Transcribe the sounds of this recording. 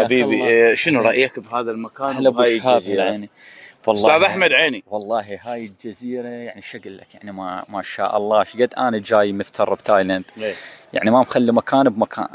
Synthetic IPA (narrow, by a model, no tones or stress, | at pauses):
ħabiːbiʃɪnuɾˤɑʔjakbhaːðalmakaːnlabhaːjhaːziːɾʕaːniwɑlˤsːaːðaħmad̪ʕeːniwɑlˤːɑːɦiɦaːjɪld͡ʒaziːɾajaʕniʃaɣlːa̰kjaʕnimamaʃa̰ːʔɑ̰lˤːɑːʃɡad̪ːʔaːnad͡ʒaːjməft̪ʰɑrˤːbt̪aːjland̪eja̰ʕnimamxalːimakʰaːnbmakʰa̰ːn